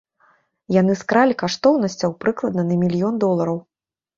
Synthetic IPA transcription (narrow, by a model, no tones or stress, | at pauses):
janɨskɾalʲikaʂt̪ɔwnɐsʲt͡sʲɐwpɾɨklˠɐd̪̚nɐnɐmʲilʲjɔnd̪ɔlˠɐɾɐw